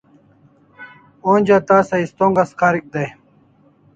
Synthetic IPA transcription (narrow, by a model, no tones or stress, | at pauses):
oːnʲd͡ʑaːt̪aːsɐist̪oːŋɡɐskaːɾik̚d̪ɐj